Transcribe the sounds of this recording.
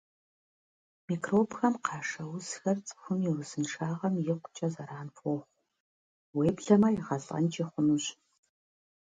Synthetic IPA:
miːkʰroːpʰxɐmqʰɑːʂɐwʊzxɐrt͡sʼɨ̥xʷʊmiwʊzɨnʂaːʁɐmjɪqʷʊ̥t͡ʃʼɐzɐɾaːnfɔχʷ | weːbɮɐmɐjɪʁɐɬʼɐ̰nt͡ʃʼiːχʷʊnuɕ

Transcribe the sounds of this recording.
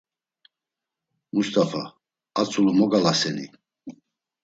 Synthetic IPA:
must̪ʼafa̰ | at͡sʼulɔmɔɡalasɛnḭ

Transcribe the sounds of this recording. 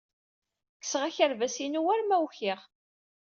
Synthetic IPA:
kːə̥sʁæçəɾvæsinuwæɾmæwçɪʁ

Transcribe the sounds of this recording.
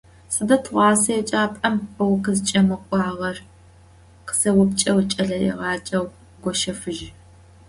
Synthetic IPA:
sɐdɐtʰʁʷɑːsɐjɛt͡ʃʼaːpʼɐmɐwqəzɨt͡ʃʼɐmɨkʷʼɑːʁɐr | qə̥sɐwʊpt͡ʃʼɐwt͡ʃʼɐɮɐɛ̰ʁɑːt͡ʃʼɐw | ɡʷɔʃɐfɨʒ

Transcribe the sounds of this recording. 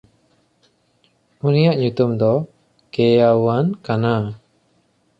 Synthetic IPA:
unijaʔɲut̪umd̪ɔ | kɛjawankana

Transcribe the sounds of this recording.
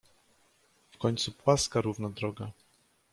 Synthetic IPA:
fkɔɲʲt̪supwaskaɾuvnad̪ɾɔɡa

